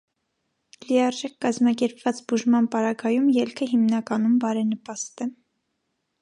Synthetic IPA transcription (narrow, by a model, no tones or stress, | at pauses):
lijɑɾʒɛkkɑzmɑkɛɾpvɑt͡sbuʒmɑnpɑɾɑɡɑjumjɛlkʰəɦimnɑkɑnumbɑɾɛnəpɑst̪ɛ